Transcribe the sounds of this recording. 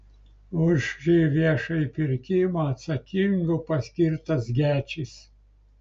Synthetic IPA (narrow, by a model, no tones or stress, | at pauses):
ʊʒʒʲiːʋʲiɛʃɐipʲɪɾʲkʲɪmɐɐt̪sɐkʲɪŋɡʊpɐsʲkʲɪɾt̪ɐsɡʲæːt͡ʃʲɪs